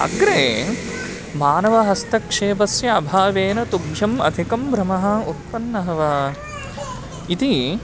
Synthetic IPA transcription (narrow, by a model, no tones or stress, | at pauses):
ɐ̰ɡɾeː | maːnɐʋɐɦɐst̪ɐkʂeːbɐsjɐɐbʱaːʋeːnɐt̪ubjɐmɐ̰d̪ʱikɐmbɾɐmɐɦɐut̪̚pɐnːɐɦɐʋɐ | it̪i